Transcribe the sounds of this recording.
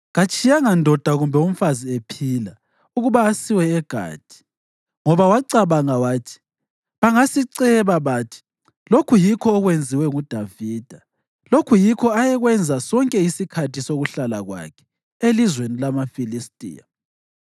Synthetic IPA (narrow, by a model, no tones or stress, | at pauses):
ɣat͡ʃʼʰijaŋandʱɔd̥ʱaɣumbʱɛum̩faziepʰila | uɣuβaːsiwɛːɡ̥ʱa̰ːd̥ʱi̥ | ŋɔβawaǀaβaŋawaːtʰi̥ | βaŋasiǀɛβaβatʰi̥ | lokʰujikʰɔːɣwend͡zʱiwɛŋud̥ʱaviːd̥ʱa | lokʰujikʰɔajɛɣwɛnd͡zʱasɔŋkʼɛisikʰatʰisoɣuɬala̰ɣwa̰kʰɛ̥ | elizwenilamafilistʼḭːja